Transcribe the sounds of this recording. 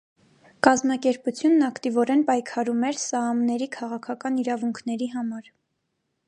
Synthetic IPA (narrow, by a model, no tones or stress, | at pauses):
kɑzmɑkɛɾput͡sʰjunːɑkt̪ivɔɾɛnpɑjkʰɑɾumɛɾsɑmnɛɾikʰɑʁɑkʰɑkɑniɾɑvuŋkʰnɛɾiɦɑmɑɾ